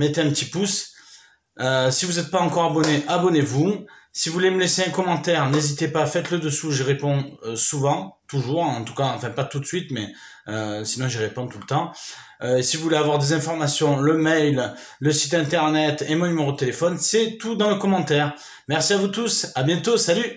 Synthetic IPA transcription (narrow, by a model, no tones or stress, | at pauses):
mɛt̪eɛ̃pət̪ipus | øsivuzɛt̪̚paɑ̃kɔʁabɔneʔabɔnevusivuleməleseɛ̃kɔmɑ̃t̪ɛʁnezit̪epafɛt̪ləd̪əsuʒəʁepɔ̃øsuvɑ̃t̪uʒuʁɑ̃t̪u̥kaɑ̃fɛ̃pat̪ut̪sɥit̪mɛ | øsinɔ̃ʒəʁepɔ̃t̪ulət̪ɑ̃ | øsiʒuvuleavwaʁd̪ezɛ̃fɔʁmasjɔ̃ləmɛjl | ləsi̥t̪ɛ̃t̪ɛʁnɛt̪emɔ̃nymeʁod̪ət̪elefɔnsɛt̪ud̪ɑ̃ləkɔmɑ̃t̪ɛʁ | mɛʁsiavut̪usabjɛ̃t̪osaly